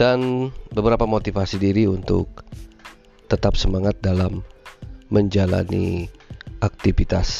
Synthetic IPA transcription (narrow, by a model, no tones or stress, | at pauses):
d̥anbəbəɾapamot̪ifasidiɾiunt̪ʊ̰k̚ | t̪ət̪apsəmaŋat̪̚dalamː | əɲd͡ʒala̰nḭ | ʔak̚t̪ifit̪as